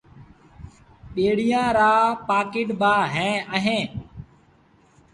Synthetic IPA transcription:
ɓeːɽijãːɾaːpaːkɪːʈbaːɦɛ̃ːəɦẽː

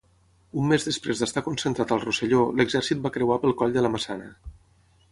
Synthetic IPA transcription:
umːezðəspɾezðəst̪akunsənt̪ɾat̪əlˠrusəʎoləɡzɛrsit̪̚bakɾəwapəlˠkɔʎd̪ələməsanə

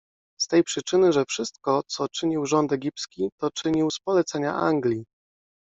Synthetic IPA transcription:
st̪ɛjpʂɘt͡ʂɘnɘʐɛfʂɘst̪̚kɔt̪sɔt͡ʂɘɲiwʐɔnt̪ɛɡʲipskʲit̪ɔt͡ʂɘɲiwspɔlɛt̪sɛɲa̰ʔa̰ŋɡlʲi

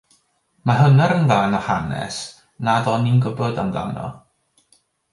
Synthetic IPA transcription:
maɦənaɾənvaːnɔhanɛ̰s | nadɔninɡəbɔdamda̰wnɔ̰

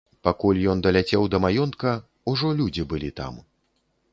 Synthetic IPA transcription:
pakulʲjɔnd̪ɐlʲat͡sʲɛwd̪ɐmajɔnt̪kɐ | uʐɔlʲud͡zʲibɨlʲit̪a̰m

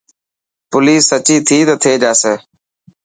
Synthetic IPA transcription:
pʊliːsət͡ʃiːt̪ʰiːt̪ət̪ʰeːd͡ʒaːseː

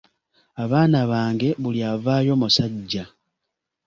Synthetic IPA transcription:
aβaːnaβaːŋɡe̞βuljaːvaːjo̞musaɟːa

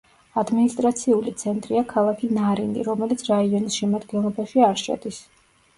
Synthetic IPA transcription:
ad̪minist̪ʼɾat̪sʰiulit̪sʰɛnt̪ʼɾiakʰalˠakʰinaɾind̪ḭɾɔmɛlit̪sʰɾaiɔnisʃɛmad̪ɡɛnlˠɔbaʃiaɾʃa̰d̪is

